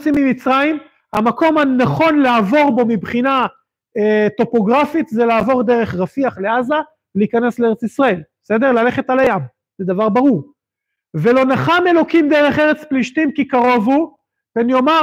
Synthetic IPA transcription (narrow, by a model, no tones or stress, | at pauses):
t͡simimit͡sʁajim | hamako̞mhanaχo̞nleaːvo̞ʁbo̞mibχina | et̪o̞po̞ɡʁafit̪zelaːvo̞ʁd̪e̞ʁe̞χʁafiaχleaza | veliːkane̞sleeet͡sisʁae̞lbese̞d̪eʁlale̞χet̪alajam | z̥ed̪avaʁbaʁuʁ | ve̞lo̞naχame̞lo̞kimd̪eʁe̞χe̞ʁet͡spliʃt̪imkikaʁo̞vu | benjo̞ma